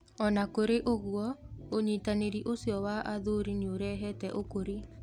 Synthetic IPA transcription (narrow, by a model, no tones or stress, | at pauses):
ɔnakoɾeʔoɣwɔoɲitaneɾiʔosjɔwaʔaðoɾineoɾɛɦɛtɛʔokoɾi